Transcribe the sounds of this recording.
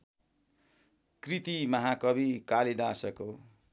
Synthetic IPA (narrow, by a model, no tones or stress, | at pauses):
krit̪imʌɦakʌbikaled̪asʌko